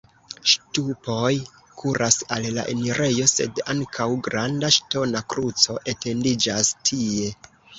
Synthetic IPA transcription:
ʃtupo̞j | kʰuɾʔasalla̰ʔe̞̰niɾʔe̞jo̞se̞̰daŋkʰawɡɾandaʃto̞nakɾut͡so̞ʔe̞te̞ndid͡ʒastʰie̞

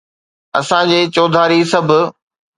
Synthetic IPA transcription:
ɐ̰sãd͡ʑeːt͡ɕoːd̪ʱaːɾisɐbʱʊ̆

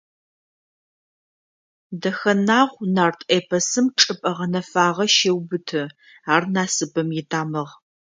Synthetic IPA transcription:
dɐxɐnaːʁʷnaːrtʰʼeːpʰɐsɨmʈ͡ʂʼɨpʼɐʁɐnɐfaːʁɐʃewbɨtʰɨ | aːrnaːsɨbɐmjɪdʰʼaːmɐʁ

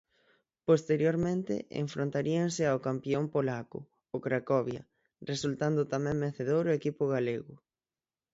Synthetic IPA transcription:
post̪eɾjoɾmẽnt̪ɪ̰ḛɱfɾont̪aɾiaŋsɪawkampjompolakʊ̰ | okɾakɔβjɐ̰ | result̪and̪ʊt̪amɛ̃ŋmeθeðowɾoekipʊɣaleɣʊ

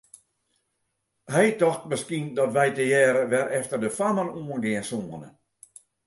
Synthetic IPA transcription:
hɛjtɔxtməskindɔtʋɛjtəjɛːɾəʋɛɾɛftərdəfamənuənɡɪənsoənə̰

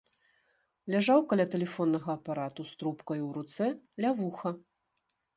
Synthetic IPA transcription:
lʲaʐawkalʲat̪ɛlʲɛfɔnːɐɣɐːpaɾat̪ust̪ɾupkɐjuwɾut̪sɛlʲavuxɐ

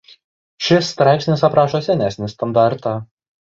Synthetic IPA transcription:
ʃʲɪst̪ɾɑˑɪpʲsʲnʲɪsɐpɾɑːʃoːsʲɛnʲæsʲnʲɪst̪ɐnd̪ɑɾt̪ɑː

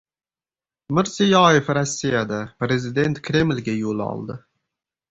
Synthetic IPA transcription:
mɪɾzijɒjefɾasʲːijad̪apɾe̞zɪd̪e̞nt̪kʲʰɾe̞mlʲɡʲajolˠɒ̰lˠd̪ɪ

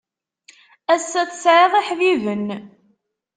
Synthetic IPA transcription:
æsːæθsʕeðˤiħvivən

